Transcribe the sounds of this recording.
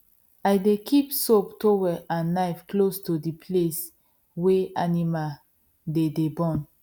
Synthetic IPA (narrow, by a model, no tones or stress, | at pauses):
ajdekʰipsoptowɛʔãnːaɪfklostudipʰles | weʔanimal | dedebɔ̃n